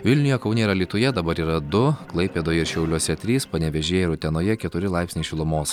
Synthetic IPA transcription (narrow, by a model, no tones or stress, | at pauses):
ʋʲɪlʲnʲʊjoːkɐʊnʲeːɪɾɐlʲiːt̪ʊjɛd̪ɐbɐɾiːɾɐd̪ʊklˠɐɪpʲeːd̪oːjɛɪɾʃʲɛʊlʲuɔsʲɛt̪ʲɾʲiːspɐnʲɛʋʲɛʒʲeːjɛɪɾʊt̪ʲɛnoːjɛkʲɛt̪ʊɾʲɪlˠɑˑɪpsʲnʲiːʃʲɪlˠʊmoːs